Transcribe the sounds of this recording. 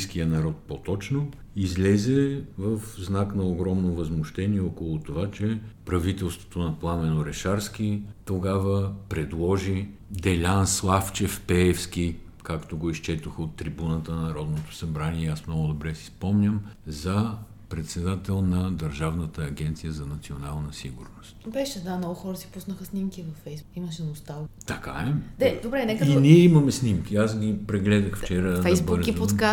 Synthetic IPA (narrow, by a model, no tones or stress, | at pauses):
skijənɐɾɔt̪̚pot̪ɔt͡ʃno | izlʲɛzɛvəfznaknɐoɡɾɔmnovɐzmʊʃt̪ɛniɛɔkolˠʊt̪ovat͡ʃɛpɾɐvit̪ɛlˠst̪vo̥t̪onɐplˠamɛnoɾɛʃaɾsk̟it̪oɡavəpɾɛd̪lˠɔʒi | d̪ɛlʲanslˠaft͡ʃɛfpɛɛfskʲi | kakt̪oɡoist͡ʃɛt̪oxot̪ːɾibunət̪ənnɐɾɔd̪not̪o̥sɐbɾaniɛasmnɔɡʊd̪obɾɛsi̥spɔmnʲəmzɐ | pɾɛt̪sɛd̪at̪ɛlˠnɐd̪ɐɾʒavnət̪əːɡʲɛnt̪sijəzɐnɐt̪sionalˠnɐsiɡuɾnost̪bɛʃɛd̪amnɔɡʊxɔɾəsi̥pusnəxəsnimkʲivɐfːɛjsimɐʃɛnɐʊst̪avt̪ɐka̰ɛd̪ɛd̪obɾɛnɛkinʲiɛimɐmɛsnimk̟ʲiasɡʲipɾɛɡlɛd̪əxft͡ʃɛɾəfɛjzbəɾzkipot̪ka